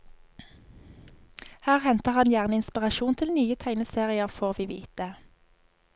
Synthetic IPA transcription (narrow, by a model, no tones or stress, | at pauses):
hæːʁhɛnt̪əʁhɑnjæːʁnəɪnspɪʁɑʃuːnt̪ʰɪlnyːət̪ʰæɪnəseːʁɪəʁfoːʁʋiːʋḭːt̪ə